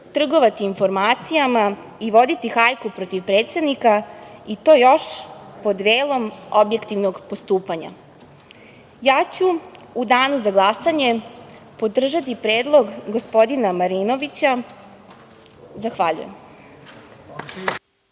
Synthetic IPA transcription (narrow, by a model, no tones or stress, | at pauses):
t̪r̩ɡo̞ʋat̪iːnfo̞ɾmaːt̪sijama | iʋo̞d̪it̪ixajkupɾo̞t̪iʋpɾeːt̪se̞d̪nikait̪o̞ːjo̞ʃpo̞d̪ʋeːlˠo̞mobje̞kt̪iʋno̞ɡpo̞st̪uːpaɲa̰ | jaːt͡ɕuːd̪aːnuzaɡlˠasaɲe̞ | po̞d̪r̩ʒat̪̬ipɾe̞ːd̪lˠo̞ɡɡospo̞d̪inamaɾiːno̞ʋit͡ɕa | zaxʋaʎṵjḛm